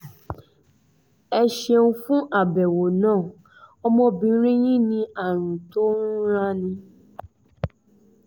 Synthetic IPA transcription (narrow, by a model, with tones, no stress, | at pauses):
ɛ˧ʃe˧ũ˧fũ˦ʔa˦˨bɛ˨wo˨nãː˦˨ | ɔ˧mɔ̃˧bĩ˧˦ɾ̃ĩ˦j̃ĩ˦nĩ˧a˨ɾ̃ũ˨to˦n̩˦u˦ɾa˦nĩ˧